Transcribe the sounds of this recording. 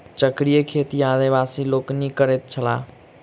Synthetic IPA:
t͡ʃəkɾijəkʰeːt̪iaːd̪iʋaːsiloːknikəɾet̪̚t͡ʃʰəlaː

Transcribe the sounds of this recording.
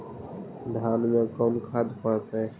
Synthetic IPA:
d̪ʱaːnmẽkəːnkʰaːd̪pəɽt̪e

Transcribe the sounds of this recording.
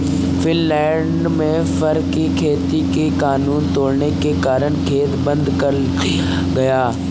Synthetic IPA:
fʰɪnlɛːɳɖmẽ | fʰɐɾkikʰeːt̪ikekaːnuːnt̪oːɽnekekaːɾəɽ̃kʰeːt̪bɐ̃nd̪kɐɾ | ɡɐjaː

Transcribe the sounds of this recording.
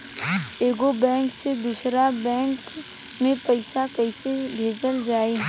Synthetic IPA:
eːɡobɛ̃ːŋksed̪uːsɾabɛ̃ːŋk | mẽpəɪsakəɪsebʱeːd͡ʒəld͡ʒaːe

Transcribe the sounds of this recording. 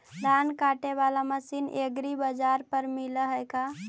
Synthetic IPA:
ɾankaʈeβalaməsinʔeɡɾibəd͡ʒaɾpəɾmiləɦəjka

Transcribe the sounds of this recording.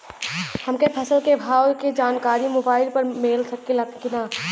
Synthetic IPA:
hɐmkepʰɐsəlkebʱaːwked͡ʒaːnkaːɾimoːbaːɪlpɐɾmeːlsɐkːilɐkkɪnaː

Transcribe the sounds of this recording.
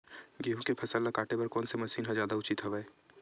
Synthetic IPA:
ɡeːɦũkepʰɐsəlːɐkaːʈepɐɾkɔːnsemɐsiːnɦãzjaːd̪aʊt͡ʃit̪ʰɐʋɛe

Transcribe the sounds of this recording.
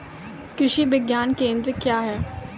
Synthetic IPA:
kɾɪʃibɪɡjaːnkẽːnd̪ɾəkjaːɦɛː

